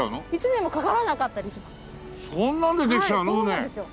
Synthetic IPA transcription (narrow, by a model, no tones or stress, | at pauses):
aɯnoit͡ɕinẽ̞mːokakaɾanakat̪ːaɾʲiɕimasɨ̥ | sõnːãnd̪ed̪ekʲi̥tanooned̪esɨjo̞